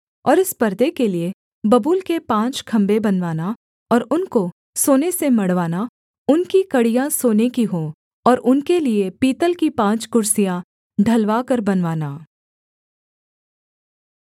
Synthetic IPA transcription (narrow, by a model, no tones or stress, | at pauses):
ɔ̰ːɾɪspɐɾd̪ekelie | bɐbuːlkepãːt͡ʃkʰɐ̃mbebɐnʋaːna | ɔːɾʊnko | soːnesemɐɽʋaːna | ʊnkikɐɽijãsoːnekiɦõː | ɔːɾʔʊnkeliepiːt̪əlkipãːt͡ʃkʊɾsijã | ɖʱɐlʋaːkɐɾbɐnʋaːnaː